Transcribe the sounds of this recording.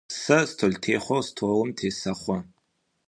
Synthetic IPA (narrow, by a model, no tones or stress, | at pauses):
sɐstʰoltʰeːχʷɐwstʰowʊmtʰeːsɐχʷɔ